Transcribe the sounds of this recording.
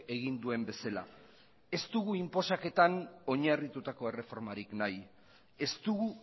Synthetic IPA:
e̞ɣind̪ue̞mbe̞sala̰ | e̞st̪uɣuimpo̞sake̞t̪ano̞ɲarit̪ut̪ako̞e̞re̞fo̞ɾmaɾiknaj | e̞st̪uɣu

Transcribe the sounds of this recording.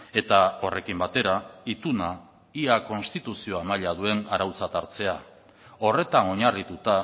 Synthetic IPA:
e̞t̪ao̞re̞kimbat̪e̞ɾait̪una | iako̞nst̪it̪usio̞amaʎað̞ue̞naɾawt͡sat̪aɾt͡se̞a | o̞re̞t̪ano̞ɲarit̪ut̪a

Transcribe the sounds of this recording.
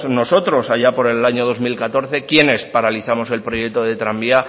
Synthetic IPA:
sno̞so̞t̪ɾo̞saʝapo̞ɾe̞laɲo̞ð̞o̞zmilkat̪o̞ɾθe̞kje̞ne̞spaɾaliθamo̞se̞lpɾo̞je̞k̚t̪oð̞e̞t̪ɾambia

